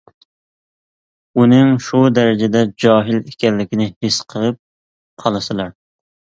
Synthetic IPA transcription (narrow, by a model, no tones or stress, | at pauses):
unɨŋʃud̪ɛɾɪd͡ʒɛd̪ɛd͡ʒɑːɦɪlekʲɛnːɪkʲinɪhɪsqʰəlˠɨp̚ | qʰɑlˠɨsɨlˠɑɾ